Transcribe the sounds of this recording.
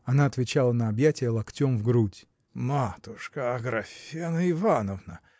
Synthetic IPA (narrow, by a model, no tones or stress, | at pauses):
ɐnaɐt̪vʲɪt͡ɕalˠənəɐbjætʲɪjəlˠɐktʲomvɡɾutʲ | mat̪ʊʂkəɐɡɾɐfʲenəɪvanəvnə